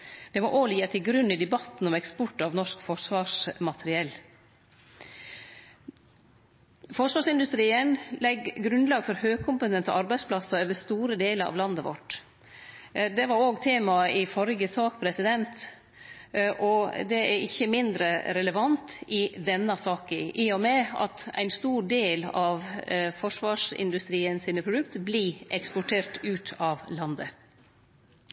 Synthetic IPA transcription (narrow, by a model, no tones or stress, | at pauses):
d̪̥ɛmɔʔoːliːɑt̪ʰɪlɡɾʉnːɪd̪ɛbɑt̪ːn̩ɔmɛkspɔʈːɑʋnɔʂkfɔʂʋɑːʂmɑt̪ʰəɾɪɛl | fɔʂʋɑːʂɪnd̪ʉst̪ɾiːənlɛɡɡɾʉnlɑːɡfɔɾhøːɡ̚kʰʊmpət̪ɛnt̪ə̰ɑɾbæɪspʰlɑsɑøːʋəst̪uːɾəd̪eːləɾɑ̰ʋlɑnd̪əʋɔ̰ʈ | d̪ɛʋɑɾoːɡt̪ʰeːmɑɪfɔɾɡəsɑːkpʰɾɛsɪd̪ɛnt̪ | ʔɔd̪ɛæɾɪçːəmɪnd̪ɾəɾɛləʋɑnt̪ɪd̪ɛnːɑsɑːkəʔiːɔmɛɑ̰t̪æ̰ɪnst̪uːɖeːlɑʋfɔʂʋɑːʂɪ̰nd̪ʉst̪ɾiːənsiːnəpʰɾʊd̪ʉkt̪əbliʔɛkspɔʈʰeːɾʈʉːt̪ʰɑʋlɑnd̪ə